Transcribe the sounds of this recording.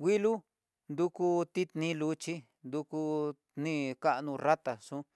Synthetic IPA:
wʷi˦lu˦ | nd̪u˧ku˧t̪i˦t̪nĩ˦lu˨˦t͡ʃi˦ | nd̪u˧ku˧ | nĩ˦˧ka˦ʔnũ˧ra˦t̪a˨ʂũ˦

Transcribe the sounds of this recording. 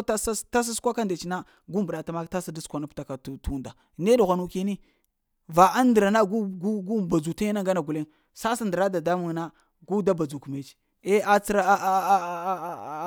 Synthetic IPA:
ta˦sa˦ta˦s̬a˦skʷa˦ka˦nda˨t͡ʃi˨na˦ | ɡu˦mbu˨ɗa˨ta˦ma˦ta˦sa˦da˦skʷa˨na˦pta˨ka˨ttu˦nda˨ | ne˦du˨ɣʷa˨nu˦ke˦ni˦ | va˨ʔa˦ndə˨ɾa˨na˦ɡu˦ɡu˦ɡu˦ba˨d͡zu˨ta˦jna˦ŋɡa˦na˨ɡu˨le˦ | sa˦sa˦ndə˨ɾa˦da˨da˦mu˨ŋna˦ | ɡu˦da˦ba˨d͡zu˨ku˨me˨˦t͡ʃ | e˦a˦t͡si˦ɾa˦˨˦

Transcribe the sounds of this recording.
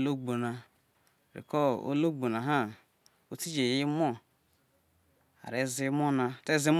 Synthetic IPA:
lo˦ɡ͡bo˨na˨ | ɾḭ˨kɔ˦o̰˦lo˦ɡ͡bo˨na˨ɦa˦ | o˦ti˦d͡ʒe˨ji˦mo˦ | a̰˨ɾe˦zi˦mo˦na˨te˦zi˦m˦

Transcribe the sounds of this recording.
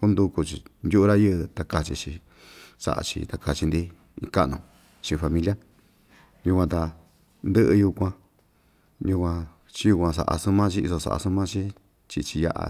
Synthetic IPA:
ku˦nd̪u˧ku˧t͡ʃi˧nd̪ʲu˦ʔu˧ɾa˦jɨ˦ʔɨ˧t̪a˧ka˧t͡ʃi˧t͡ʃi˧ | sa̰˧ʔa̰˧t͡ʃḭ˧t̪a˧ka˧t͡ʃi˧nd̪i˦ | ḭ̃˧ka˦ʔnũ˧ | t͡ʃĩ˧fa˧mĩ˧lja˦ | ju˧kʷã˧t̪a˧ | nd̪ɨ˦ʔɨ˧ju˧kʷã˧ | jũ˧kʷã˧ | t͡ʃi˦ju˧kʷã˧s̬a̰˨ʔa̰˧sũ˦mã˦t͡ʃi˦i˧so˧sa̰˧ʔa̰˧su˦mã˦t͡ʃĩ˦ | t͡ʃi˧t͡ʃi˧ja̰˧ʔa̰˧

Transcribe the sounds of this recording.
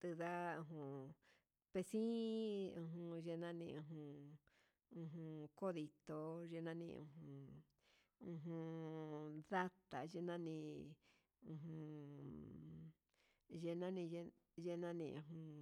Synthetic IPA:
t̪ɨ˧ða˦ũ˧ɦũ˧ | pe˧sĩ˦ũ˧ɦũ˧ʒe˧nã˦nĩ˧ũ˧ɦũ˧ | ũ˧ɦũ˧ko˦ði˧t̪o˧ʒe˧nã˦nḭ̃˧ṵ̃˧ɦũ˧ | ũ˧ɦũ˧ | ða˦t̪a˨ʒe˧nã˦nĩ˧ | ũ˧ɦũ˧ | ʒe˧nã˦nĩ˧e˧ | ʒe˧nã˦nḭ̃˧ũ˧˨ũ˧

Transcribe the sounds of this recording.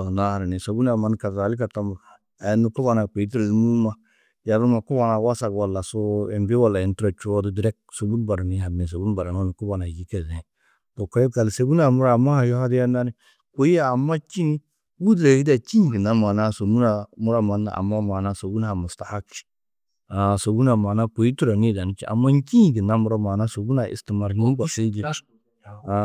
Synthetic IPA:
a˨na˦ha˨ɾa˨ne˨so˨bu˦n˦a˨ma˨nka˨a˨˦li˦ka˨ta˦mu˨ | a˨˦nu˦ko˦ba˨na˨k͡pe˨i˦t̬i˦ɾe˨lmu˦ma˦ | ja˨ɾu˦ma˨ku˦ba˨na˨wa˦sa˨kwa˨lːa˨so˦e˨mbi˦wa˨lːa˨e˨n˦tɾa˨t͡ʃo˦du˦di˨ɾɛ˦k̚so˨bu˦n˦ba˨ɾni˦ha˨be˨s̬o˨bu˦n˦ba˨ɾa˨na˦nu˨ku˦ba˨na˨d͡ʒi˦ke˨zẽ˨ | bo˨kɾe˦ka˨lse˨bu˦na˨mu˦ɾa˦˨ma˦ha˨jo˦ha˦di˦ja˦na˦ni˦ | ko˨i˦aː˦˨mːa˦t͡ʃi˦ni˦ | wu˦dɾe˨hi˦da˨t͡ʃi˦˨ɡi˨na˦ma˨na˦so˨mu˦na˨mu˦ɾa˦ma˨na̰˨a̰˨mːa˦ma˨na˦so˨bu˦n˦a˨mu˨sta˨ha˦kt͡ʃi̥˨ | a˨so˨bu˦na˨ma˨na˦ko˨i˦tu˦ɾa˨ni˦da˨ni˦t͡ʃḭ˦ʔa̰˨mːa˦n˦ki˦˨ɡi˨na˦mu˦ɾa˦ma˨na˦so˨bu˦na˨ʔḭ˨sti˨ma˨ɾni˦ba˨si˦d͡ʒi˦ | a˨

